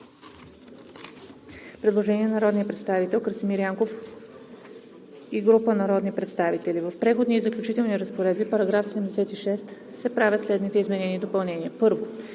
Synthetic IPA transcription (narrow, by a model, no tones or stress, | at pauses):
pɾɛd̪lˠoʒɛniɛnɐɾɔd̪nijəpɾɛt̪st̪avit̪ɛlˠkəɾsimiɾiaŋkof | iɡɾupənɐɾɔd̪nipɾɛt̪st̪avit̪ɛlivəfpɾɛxod̪niizəklʲut͡ʃit̪ɛlˠniɾəspoɾɛd̪̚bipɐɾɐɡɾafsɛd̪ɛmd̪ɛsɛt̪iʃɛst̪ | sɛpɾavʲjət̪slɛd̪nit̪ɛizmɛnɛnid̪opɐlˠnɛniəpɤɾvo